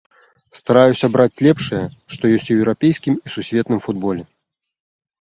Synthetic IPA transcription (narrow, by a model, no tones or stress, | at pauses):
st̪aɾajusʲɐbɾat͡sʲlʲɛpʂɐjɐʂt̪ɔjɔsʲt͡sʲuwɛwɾapʲejskʲimisusʲvʲɛt̪nɨmfud̪̚bɔlʲɛ